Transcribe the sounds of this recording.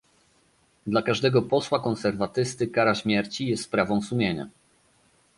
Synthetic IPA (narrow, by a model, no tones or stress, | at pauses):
d̪lakaʐd̪ɛɡɔpɔswakɔnsɛɾvat̪ɘst̪ɘkaɾaɕmʲjɛɾt͡ɕijɛst̪pɾavɔ̃w̃sumʲjeɲa̰